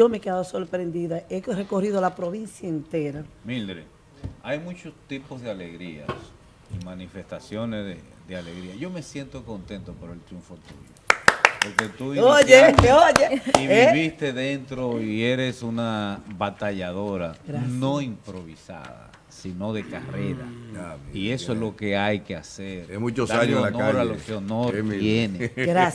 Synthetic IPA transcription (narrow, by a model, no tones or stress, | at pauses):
omeke̞ðaðoso̞ɾpɾe̞nd̪iðaere̞ko̞riðoalapɾo̞βinsjaent̪e̞ɾamild̪ɾe | ajmut͡ʃo̞st̪ipozðeale̞ɣɾia̰s | imanife̞st̪asjo̞nesðe | ðeale̞ɣɾiaʝo̞me̞sje̞nt̪o̞ko̞nt̪e̞nt̪ope̞ɾoe̞lt̪ɾjuɱfo̞t̪ṵʝopoɾket̪uojeojeiiβist̪e̞ðe̞nt̪ɾo̞ie̞ɾe̞sunaβat̪aʝaðo̞ɾaɾano̞impɾo̞βisa̰ða̰ | sino̞ðe̞kareɾa̰aie̞soezlo̞ke̞ajke̞aseɾmut͡ʃosd̪aaɲoanɾalokeonoɾjeneɡɾa